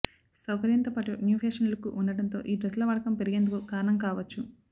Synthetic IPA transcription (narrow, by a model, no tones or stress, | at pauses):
sɐwkɐɾint̪ɐpɐʈunjuːpʰeːʂɐnlɐkuʔunːɐɽɐnt̪o̞̰ːʔiːɖɾɐslɐʋɐɽɐkɐmpe̞ɾiɡeːnd̪ukukaːɾɐnɐmkaːʋɐt͡ʃːu